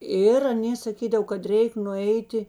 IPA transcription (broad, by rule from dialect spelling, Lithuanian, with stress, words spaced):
ˈɪr ɐˈnʲeː sɐˈkʲiːdɐw kɐt ˈrʲɛɪk nʊˈɛɪtʲɪ